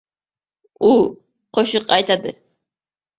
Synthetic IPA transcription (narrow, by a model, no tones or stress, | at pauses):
u | qʰoʃɨqɑjt̪ad̪ɨ